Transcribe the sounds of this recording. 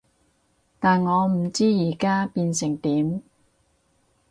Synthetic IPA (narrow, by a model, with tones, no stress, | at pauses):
t̪aː˨nŋɔː˨˧m̩˨˩t͡siː˥jiː˨˩kaː˥piː˧nsɪ˨˩ŋt̪iː˨˥m